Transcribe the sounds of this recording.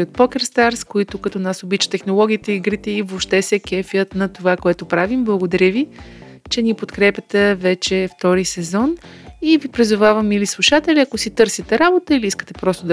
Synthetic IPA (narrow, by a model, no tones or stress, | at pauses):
ot̪̚pɔkʲɛɾst̪aɾskoit̪ʊkɐt̪ɔnasobit͡ʃə̥t̪ɛxnolˠɔɡ̟ʲiːt̪əiɡɾit̪ɛivopʃt̪ɛsɛkʲɛfjət̪nɐt̪ovakoɛt̪ʊpɾavimblˠəɡod̪ɐɾʲəvi | t͡ʃɛnipot̪kɾɛpʲjət̪ɛvɛt͡ʃɛft̪ɔɾisɛzɔnivipɾizʊvavəmilislˠuʃat̪ɛlʲiɐkosit̪ɤɾsit̪ɛɾabot̪əiliiskə̥t̪ɛpɾɔst̪od̪